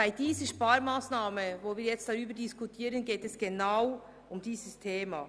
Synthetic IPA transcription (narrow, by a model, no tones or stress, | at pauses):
aɪd̥iːzəʃpaːɾmaːsnaːməvoːviːjɛt͡std̥aɾyːbəɾdiskutʰiːɾənɡeːtɛsɡ̥enaʊ | ʊmdiːzəstʰeːma̰ː